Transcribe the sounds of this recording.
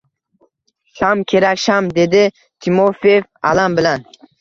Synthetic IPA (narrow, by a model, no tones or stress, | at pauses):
samkʲʰeɾakʲʃamd̪e̞d̪ɪ | t̪ʰimofiefa̰lambɪlan